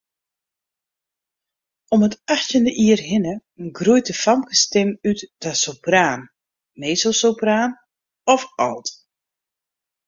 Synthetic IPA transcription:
ɔmətaxtjəndəʔiərhɪnəənɡrujtəfamkəstɪmytd̥asopraːn | meːsosopraːn | ɔfɔ̰lˠt

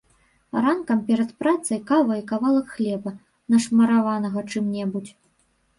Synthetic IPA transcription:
rankɐmpʲɛɾɐt̪pɾat̪sɐjkavɐikavalˠɐkxlʲɛbɐ | nɐʂmɐɾavanɐɣɐt͡ʂɨmnʲɛbut͡sʲ

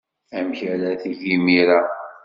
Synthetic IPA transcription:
æmçæɾæθiʝimiɾa

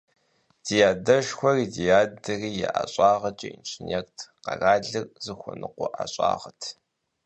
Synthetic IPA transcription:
d̥ijaːdɐʃxʷɔriːdijaːdɐriːjɛʔaɕʼɑːʁɐt͡ʃʼiint͡ʃʰʼɪnɛrtʰqɐraːɮɨrzɨxʷɔnɨqʷʊʔaɕʼɑ̰ːʁɐtʰ

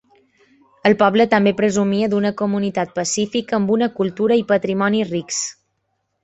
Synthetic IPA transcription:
əlˠpɔβlət̪əmbepɾəzumiəd̪unəkumunit̪at̪̚pəsifikəːmbunəkulˠt̪uɾəipət̪ɾimɔniriks

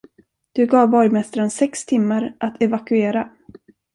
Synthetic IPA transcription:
d̪̥ɵɡɑːvbɔjmɛst̪aɾənsɛkst̪ʰɪmːaɾʔat̪ʰɛvakɵeːɾa

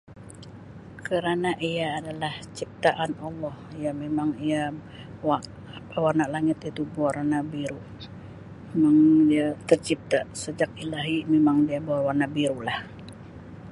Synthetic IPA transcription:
kəɾanaʔijaːdalaht͡ʃip̚t̪aʔanɔlːɔhjamemaŋija | a | awarnalaŋɪt̪it̪ubuarnabiɾu | memaŋdiat̪ərt͡ʃip̚t̪asəd͡ʒak̚ilaɦimemaŋdiaboarwarnabiɾulah

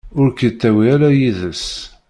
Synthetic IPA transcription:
ʊɾkət̪ːæwiæɾæjiðəs

